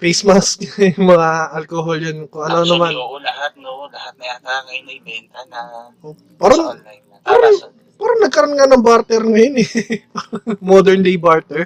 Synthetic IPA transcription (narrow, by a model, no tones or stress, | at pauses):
fejsmaskjʊŋmɐŋaʔɐlkoːɦoljɐnkoʔɐnonɐmanlɐhat̪̚lɐhat̪̚aɐjnɐbɛnt̪ɐnɐʔo | paːɾɐn | paːɾɐn | paːɾɐnnɐɡ̚kɐɾonŋanɐŋbaɾt̪ɛɾŋɐjonɛpaɾɐŋmod̪ɛɹnd̪ejbaɹt̪ɛɹ